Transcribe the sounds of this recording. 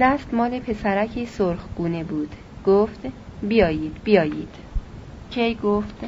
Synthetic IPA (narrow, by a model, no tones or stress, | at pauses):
d̪æst̪mɒːle̞pʰe̞sæɾæcʰesoɾxɡ̥uːne̞buːd̪̥ | ɡ̥oːft̪bijɒːjiːd̪̥bijɒːjiːd̪̥ | cʲʰejɡoft̪